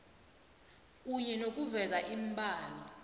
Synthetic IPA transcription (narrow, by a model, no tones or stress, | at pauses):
k̬ʼuɲɛnok̬ʼuvɛzaʔimbʱʼaːlɔ